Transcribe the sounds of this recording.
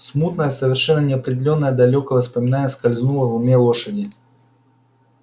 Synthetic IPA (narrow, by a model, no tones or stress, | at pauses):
smut̪nəjəsəvʲɪrʂɛnːənʲɪɐpɾʲɪdʲɪlʲo̞nːəjəd̪ɐlʲokəvəspəmʲɪnanʲɪəskɐlʲznulˠəvʊmʲelˠoʂədʲɪ